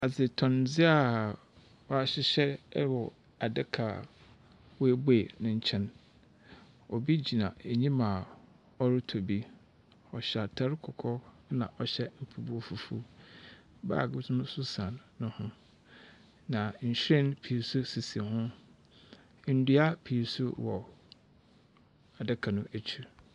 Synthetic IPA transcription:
a˨d͡zɪ˨tʰɔ̃˨nd͡zɪ˦a˦ | ɔ˨a˨ɕɪ˦ɕɛ˦wɔ˨ | a˨dɪ˦kʰa˨ | wɔ˦e˦be˦˨nʊ̃˦ɲ̩˦t͡ɕʰɛ̃˦n | ɔ˨bi˦d͡ʑi˨nã̰˨e˨ɲĩ˦mã˨ | ɔ˦ɾɪ˦tʰo˨bi˦ | ɔ˨ɕa˨tʰa˦ɾkʰɔ˨kʰɔ˦ | nã˨ʔɔ˨ɕɛ˦m̩˨pʰu˨bu˦o˦fu˨fṵ˦ | ba̰ː˦˨ɡʊ˦tnʊ̃˦sʊ˦sã˨nːʊ̃˦hʊ̃˦ | nã˨ɲ̩˨ɕɾɛ̃˦npʰi˨su˦si˨si˨hʊ̃˦ | n̩˨˦du˦a˦pʰi˨su˦wɔ˨ | a˨dɛ˦kʰa˨nʊ̃˦ʔæ˨t͡ɕʰu˦

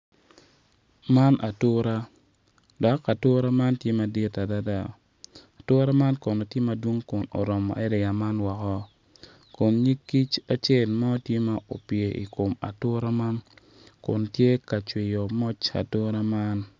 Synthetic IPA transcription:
ma˦nʔa˨tʊ˦ɾa˦ | dɔ˨˦ka˨tʊ˦ɾa˦ma˦ntje˦ma˨di˦ta˨da˦da˦˨ | a˨tʊ˦ɾa˦ma˦nkɔ˨no˨tje˦ma˨dwo˦ŋkʊ˨no̰˨ɾɔ˨mɔ̰˨ʔɛ˦dɛ˨ja˨ma˦nwɔ˨kɔ˦ | kʊ˨nɲi˦kːi˦t͡ʃa˨t͡ʃe˦˨lmɔ˦tje˦ma˦ʔo̰˨pje˨ʔḭ˨ko˨ma̰˨tʊ˦ɾa˦ma˦n | kʊ̰˨ntje˦ka˨t͡ʃwi˨jo˨mɔ˦t͡ʃa̰˨tʊ˦ɾa˦ma˦n

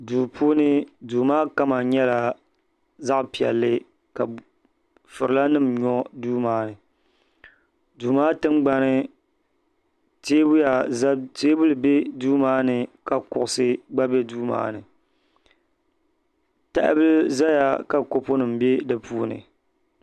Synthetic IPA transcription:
duː˨pʰuː˦nɨ˦duː˨maː˦ka˦ma˨ɲɛ˦la˨ | za˦ʔpi˨ɛ̰˨lːɨ˦ | ka˨ | fɨ˨ɾɨ˨la˦nɨ˦mɲɔ˦duː˦maː˦nɨ˨ | duː˨maː˦tɨ˦mɡ͡ba˦nɨ˦ | teː˦bʊ˦ja˨˦teː˦bʊ˦lɨ˨be˦duː˦maː˦nɨ˨ka˨kʊ˨ʔʊ˨sɨ˦ɡ͡ba˦be˦duː˦ma̰ː˦nɨ˨ | ta̰˦ʔbɨ˦lza˦ja˦ka˨ko˦pʊ˦nɨ˨m̩˨be˦dɨ˨pʰuː˦nɨ̰˨

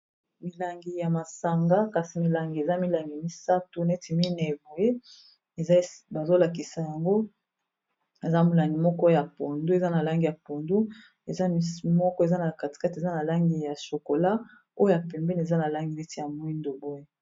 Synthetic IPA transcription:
mi˨la˨ŋɡi˨ja˨ma˨sa˨ŋɡa˦ka˨si˨mi˨la˨ŋɡi˨e˨za˦mi˦la˨ŋɡi˨mi˦sa˦tu˨nɛ˦ti˨mi˦na˨e˨bo˨je˦ | e˨zba˨zo˦la˨k̬i˨sa˨ja˨ŋɡo˦ | e˨za˦mu˨la˨ŋɡi˨mɔ˦kɔ˦ja˨po˨ndu˦e˨za˦na˨la˦ŋɡi˨ja˨po˨ndu˦ | e˨za˦i˦mɔ˦kɔ˦e˨za˦na˨ka˨ti̥˨ka˦ti˨e˨za˦na˨la˦ŋɡi˨ja˨so˨ko˨la˦ | o˦jo˦ja˨pɛ˨mbɛ˦n˨e˨za˦na˨la˦ŋɡi˨nɛ˦ti˨ja˨mo˦i˦ndo˨bo˦je˦

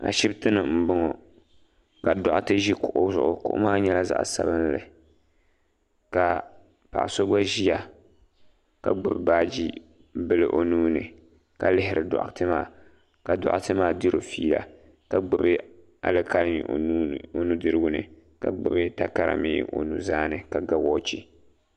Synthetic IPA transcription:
a̰˨ʃɪ˦btɨ˦nɨ˨m̩˦bʊ˦ŋɔ˨ | ka˨dɔ˨ʔʊ˦tɨ˦ʒi˦kʊ˨ʔʊ˦zʊ˨ʔʊ˨kʊ̰˦ʔʊ̰˦maː˦ɲɛ˦la˦za̰˦˨ʔsa̰˦bɨ˦n˦lɨ˨ | ka˨ | pa̰˨ʔso˦ɡ͡ba˦ʒi˦ja˨ | ka˨ɡ͡bɨ˨bbaː˦d͡ʒi˦ | bɨ˦lɨ˨ʔo˨nuː˦nɨ˨ | ka˨lɪ˦hɪ˦ɾɨ˨dɔ̰˨ʔtɨ˦maː˦ | ka˨dɔ̰˨ʔʊ˦tɨ˦maː˦di˦ɾo˨fiː˦la̰˨ | ka˨ɡ͡bɨ˦bɨ˦ | a̰˨lɨ˦ka˦ɾɲḭ˨˦o˨nu˦dɨ˦ɾɨ˦ɡʊ˦nɨ̰˨ | ka̰˨ɡ͡bɨ˨bɨ˦ta˦ka˦ɾa̰˨mḭː˦ʔo̰˨nu˨zaː˦nɨ˨ka˨ɡa˨wɔː˦t͡ʃi˦

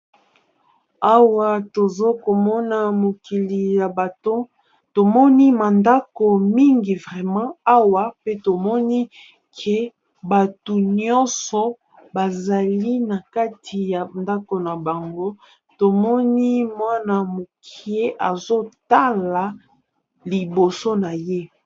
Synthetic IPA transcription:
a˦wa˨to˨zo˦ko˨mɔ˦na˨mo˨ki˨li˨ja˨ba˨to˦ | to˨mɔ˦ni˦ma˨nda˦ko˨mi˦ŋɡi˨vʁɛ˨mɑ̃˦a˦wa˨pe˦to˨mɔ˦ni˦ | kʰe˨ | ba˨tu˨ɲɔ̃˦sɔ˨ | ba˨za˨li˦na˨ka˦tʰi˨ja˨nda˦ko˨na˨ba˨ŋɡo˦ | to˨mɔ˦ni˦mwa˦na˨mo˨kʰi˨e˦ʔa˨zo˦ta˦la˨ | li˨bo˨so˦na˨je˦

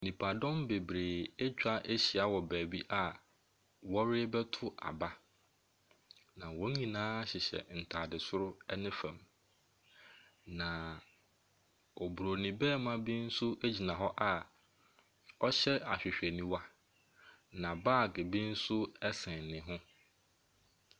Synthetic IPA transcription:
nĩ˨pʰa˨dɔ̃˦mbe˨bɾeː˨e˦t͡ɕᶣa˦ʔe˦ɕi˨a˦wɔ˨bæː˨bi˦ʔa˨ | wɔ˦ɾɪ˦bɛ˦tʰʊ˦ʔa̰˨ba˦ | nã˨wɔ̃˨˦ɲĩ˨nãː˦ɕɪ˨ɕɛ̰˨n̩˨tʰaː˨dɪ˨sʊ˦ɾʊ˦ɛ˦nɪ̃˦fɛ̃˨m | nã˨ | ɔ˨bu˨ɾo˨nĩ˨bɛː˦mã˦bi˦n̩˦sʊ˦ʔe˦d͡ʑi˨nã˨ɦɔ˦ʔa˨ | ɔ˦ɕɛ˦a˨ɕᶣɪ˨ɕᶣɛ˨nĩ˦wa˦ | nã˨baː˦˨ɡɪ˨bĩ˦n̩˦sʊ˦ɛ˦sɛ̃˨nɪ̃˨ɦʊ̃˦

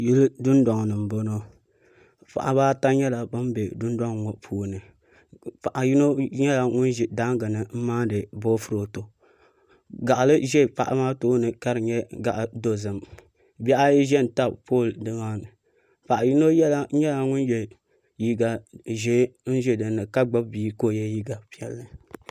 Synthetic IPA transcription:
ji˦ldʊ˦nda˨ŋ˨nɨ˨m̩˨bo˦no˦ | pa̰˨ʔa̰˨baː˦ta˦ɲɛ˦la˨bɨ˦m˦be˨dʊ˦nda˦ŋ˨ŋo˨ʔpʰuː˦˨nɨ˨ | pa˨ʔa˨ji˦no˦ɲɛ˦la˨ŋʊ˦nʒi˨da˦ŋɡɨ˨nɨ˨m̩˦maː˦dɨ˨boː˦fɨ˦ɾo˨to˨ | ɡa˨ʔa˨lɨ˦ʒɛ˦˨pa̰˨ʔa̰˨˦maː˦toː˦nɨ˨ka˦ɾɨ˨ɲɛ˦ɡa˨ʔa˨do˦zɨ˨m | bɛ˦ʔa˦jʒɛ˦˨n̩˨ta˦bpoː˦˨ldɨ˦ŋaː˦nɨ˨ | pa˨ʔa˨ji˦no˦jɛ˦la˨˦ɲɛ˦la˨ŋʊ˦n˦jɛ˨ | ji˦ɡa˨ʒe˦n̩˦ʒɛ˦dɨ˨nːɨ˨ka˦ɡ͡ba˦bbiː˦koː˦˨jɛ˦ji˦ɡa˨pi˦˨ɛ˨lːɨ˨

